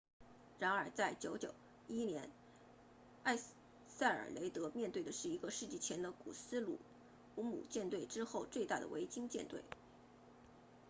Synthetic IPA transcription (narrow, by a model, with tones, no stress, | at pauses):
ɻa˧˥nə˞˨˩˥t͡sa˥˩ɪt͡ɕjo˧˥ʊt͡ɕjo˨˩ʊ | i˥njɛ˧˥n | a˥˧ɪ | sa˥˩ɪə̰˞˨˩le˧˥ɪt̪ɤ˧˥mjɛ˥˧nt̪we˥˩ɪd̪ə˩ʂɻ̩˥˩i˧˥ɡə˧ʂɻ̩˥˧t͡ɕi˥˩t͡ɕʰjɛ˧˥nd̪ə˧kṵ˨˩sɹ̩˥lṵ˨˩ | u˧˥mṵ˨˩t͡ɕjɛ˥˧nt̪we˥˩ɪʈ͡ʂɻ̩˥xo˥˧ʊt͡swe˥˧ɪt̪a˥˩d̪ə̰˩wḛ˧˥ɪt͡ɕi˥ŋt͡ɕjɛ̰˥˧nt̪we˥˩ɪ